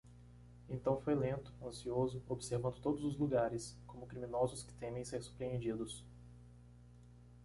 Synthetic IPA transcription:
ẽnt̪ɐ̃w̃fojlẽnt̪ʊ̥ɐ̃siozʊobɪseɾvɐ̃nd̪ʊt̪od̪ʊzʊzluɡaɾɪskõmʊkɾimĩnɔzʊskɪ̥t̪ẽmẽj̃seɾsu̥pɾeẽnd͡ʒid̪ʊs

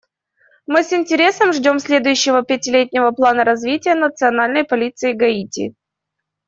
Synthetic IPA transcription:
mɨsɪnʲtʲɪɾʲe̞səmʐdʲo̞msʲlʲe̞d̪ʊjʉɕːɪvəpʲɪtʲɪlʲetʲnʲɪvəplˠanəɾɐzvʲitʲɪjənət̪sɨɐnalʲnəjpɐlʲit̪sɨɪɡɐitʲɪ̰

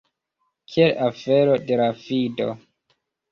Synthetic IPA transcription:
kʰielafeɾode̞ɾafido̞̰

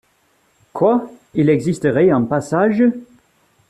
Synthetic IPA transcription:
kʰwailɛɡzistəʁɛɑ̃pasaʒə

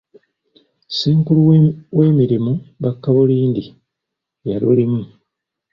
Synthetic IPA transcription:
siːŋkuluwe̞ːmiɾimuβakːaβuliːndi | jalulimu

